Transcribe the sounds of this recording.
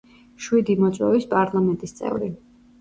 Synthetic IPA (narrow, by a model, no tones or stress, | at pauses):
ʃwid̪imɔt̪sʼwɛ̰vispʼaɾlˠamɛnt̪ʼist̪sʼɛ̰vɾi